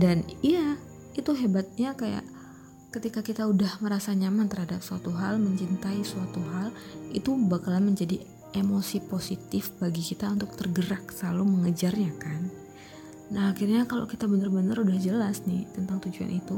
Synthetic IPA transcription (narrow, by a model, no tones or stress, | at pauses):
danija | it̪uɦebat̪̚ɲakaja̰ʔ | kət̪ikakit̪audahməɾasaɲamant̪ərhadap̚suat̪uɦalməɲt͡ʃint̪aisuat̪uɦalit̪ubakalanməɲd͡ʒadi | emosiposit̪ɪfbaɡikit̪aunt̪ʊk̚t̪ərɡəɾak̚səlaluməŋəd͡ʒarɲakanː | ahakirɲakalo̰kit̪abənərbənəɾudahd͡ʒəlasnɪht̪ənt̪aŋt̪ud͡ʒua̰nʔit̪u